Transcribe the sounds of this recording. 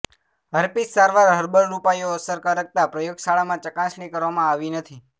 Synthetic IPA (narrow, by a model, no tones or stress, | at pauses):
ɦəɾpissaɾʋaɾɦəɾbəɾɾupajoəsəɾkaɾək̚t̪apɾəjoɡsaɭamãt͡ʃəkãsɳikəɾʋamãaʋinət̪ʰi